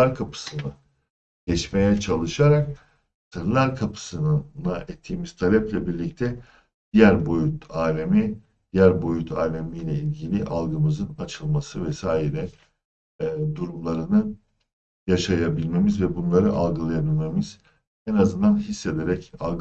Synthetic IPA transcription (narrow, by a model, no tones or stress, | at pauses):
aɾkʰapʰɯ̥sɯnɯ | ɟɛt͡ʃmejɛt͡ʃʰalˠɯʃaɾak̚ | sɯɾlˠaɾkʰapʰɯ̥sɯnaʔɛt̪ʰːiːmiz̥t̪ʰalʲɛplʲɛbiɾlʲic̚t̪ʰɛ | d̪̥ijæɾbojut̪aːlʲemi | d̪̥ijæɾbo̞jut̪ʰaːlʲemijlʲɛilʲɟilʲiʔalˠɡɯmɯzɯnat͡ʃʰɯlˠmasɯvɛsaːjiɾɛ | d̪uɾumlˠaɾɯnɯ | jaʃajabilʲmemizvɛbunlˠaɾɯʔalˠɡɯlˠajabilʲmemiz̥ | ɛnazɯnd̪anɦisːed̪eɾɛca̰lˠɡ